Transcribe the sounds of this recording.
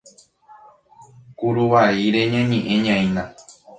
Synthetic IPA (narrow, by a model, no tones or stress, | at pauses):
kuɾuʋaiɾe̞ɲãɲẽʔẽɲãĩna